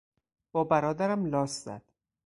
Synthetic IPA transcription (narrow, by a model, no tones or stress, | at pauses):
b̥ɒːbæɾɒːd̪æɾæmlɒːszæ̰d̪̥